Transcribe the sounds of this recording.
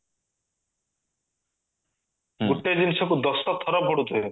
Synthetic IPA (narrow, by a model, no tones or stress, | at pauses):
ɡuʈːed͡ʒinisɔkud̪ɔst̪ɔt̪ʰɔɾɔb̚ʱɔɽut̪oje